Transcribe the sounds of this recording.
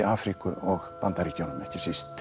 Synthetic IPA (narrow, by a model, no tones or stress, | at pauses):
aːfɾikʏʔɔɣpant̪aɾicownnɛhcɪ̥sist̪